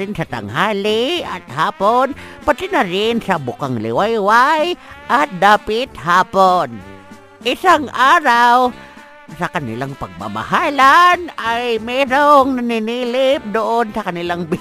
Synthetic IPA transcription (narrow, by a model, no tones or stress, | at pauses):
ɪnsɐt̪a̰ŋhaːlɪa̰t̪haːponpat̪ɪnaɾɪnsɐbʊkaŋlɪ̰wajwajʔat̪̚d̪aːpɪt̪haːpon | ʔɪsaŋʔaːɾaw | sɐkɐnɪ̰laŋpɐɡ̚ma̰ma̰haːlanajmɛɾoŋnanɪniːlɪp̚d̪oʔonsɐkɐnɪlaŋbɪ